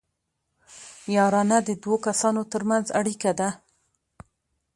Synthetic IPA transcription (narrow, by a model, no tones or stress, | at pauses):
jɑɾɑnad̪əd̪wokasɑnot̪əɾmanzaɽikad̪a